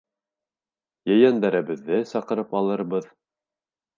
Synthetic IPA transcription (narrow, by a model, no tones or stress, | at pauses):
jɘ̆jænd̪æɾæβɘ̆ðːɘsɑqɤ̆ɾɤpɑlˠɤ̆ɾβɤð